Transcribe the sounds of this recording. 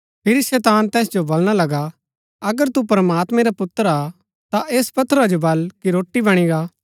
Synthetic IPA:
pʰɪɾiʃɛːt̪aːnt̪ɛːsd͡ʒobolɽ̃alɐɡa | ɐɡəɾt̪upɾmaːt̪mɛ̃ɾapʊt̪ːəɾa | t̪aʔeːspɐt̪ʰəɾad͡ʒobɐlkiɾoːʈːibɐɽ̃iɡaː

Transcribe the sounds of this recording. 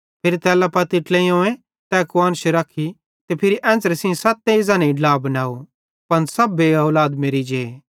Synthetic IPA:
pʰɪɾit̪ɛːlapɐt̪ɪʈlẽiõːẽ | t̪ɛːkʊwaːnʃeɾɐkʰi | t̪epʰɪɾiʔɛ̃ːsɾesĩsaːt̪ːẽɪzãnɐiɖlaːbɐnaːu | pɐnsɐbeɐːlaːd̪meːɾid͡ʒeː

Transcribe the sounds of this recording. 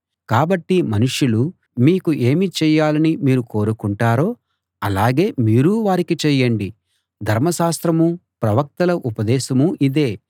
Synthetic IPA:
kaːbɐʈːimɐnuʂjulu | miːkuʔe̞ːmit͡ʃɛːjaːlɐnimiːɾuko̞ːɾukuɳʈaːɾo̞ː | ɐlaːɡe̞ːmiːɾuʋaːɾikit͡ʃɛːjɐɳɖi | d̪ʱɐɾmɐʃaːst̪ɾɐmupɾɐʋɐk̚t̪ɐlɐʔupɐd̪ɛːʃɐmuʔid̪e̞ː

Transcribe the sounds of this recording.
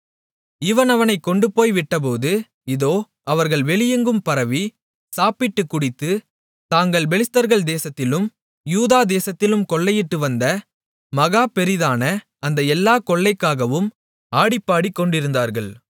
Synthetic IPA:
ɪʋɐnɐʋɐnɐɪkːɔɳɖɯpoːjʋɪʈːɐp̬oːðɯ | ɪðoː | ɐʋɐɾɣɐɭʋɛɭɪjɐŋɡɯmpɐɾɐʋi | saːpɪʈːɯkːʊɽɪt̪ːɯ | t̪aːŋɡɐɭʋɛɭɪst̪ɐɾɣɐɭd̪eːsɐt̪ːɪlɯm | juːðaːd̪eːsɐt̪ːɪlɯmkɔɭːɐjɪʈːɯʋɐnd̪ɐ | mɐɣaːpɛɾɪðaːnɐ | ɐnd̪ɐɛlːaːkɔɭːɐɪkːaːɣɐʋɯm | aːɽɪpːaːɽikːɔɳɖɪɾɯnd̪aːɾɣɐɭ

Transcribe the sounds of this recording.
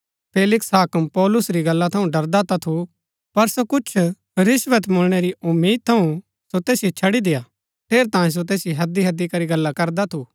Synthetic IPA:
pʰeːlɪksɦaːkəmpɔːlʊsɾiɡɐlːat̪ʰɐũɖɐɾd̪at̪at̪ʰu | pɐɾsokʊt͡ʃʰ | ɾɪsʋət̪mʊɽɽ̃eɾiʊmːiːd̪̚t̪ʰɐũ | sot̪eːsjet͡ʃʰɐɽid̪ɪjaː | p̪ʰeːɾt̪ãːẽs̬ot̪̬eːsjeɦɐd̪iɦɐd̪ikɐɾiɡɐlːakɐɾd̪at̪ʰu

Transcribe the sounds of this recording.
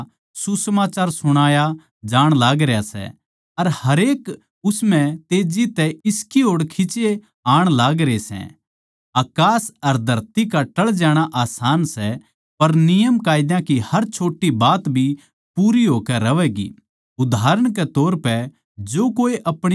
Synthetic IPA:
susəmaːt͡ʃaːɾsʊɽ̃aːja | d͡ʒaːɽ̃laːɡɾejasɛ̰ | ɐɾhɐɾeːk | ʊsmɛ̃t̪eːd͡ʒit̪ɛɪskiɦoːɽkʰɪt͡ʃe | aːɽ̃laːɡɾesɛ̰̃ | aːkaːsɐɾd̪ʱɐɾt̪ikaʈɐɭd͡ʒɛːɽ̃aʔaːsaːnsɛ | pɐɾnɪjəmkaːɪd̪jãkihɐɾt͡ʃʰoːʈːibaːt̪bʱi | puːɾiɦoːkɛɾɐʋɛɡḭ | ʊd̪ʱaːɾəɽ̃kɛt̪oːɾpɛ | d͡ʒoːkoːiʔɐpɽ̃

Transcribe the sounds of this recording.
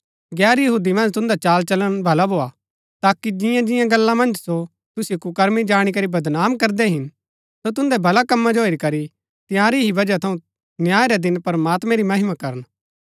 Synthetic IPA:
ɡɛːɾjɐɦuːd̪imɐ̃nd͡ʒt̪ʊ̃nd̪at͡ʃaːlt͡ʃɐləɽ̃bʱɐlabʱoːa | t̪aːkːid͡ʒɪjãd͡ʒɪjãɡɐlːamɐ̃nd͡ʒso | t̪ʊsikʊkəɾmid͡ʒaːɽ̃ik̬ɐɾibɐd̪naːmkɐɾd̪ɛɦɪn | sot̪̬ʊ̃nd̪ɛbʱɐlakɐmːad͡ʒooːiɾikɐɾi | t̪ɪjãːɾiɦibɐd͡ʒat̪ʰɐ̃ũ | njaːɾɛd̪ɪnpɐɾmaːt̪mɛ̃ɾimɐɦɪmakɐɾən

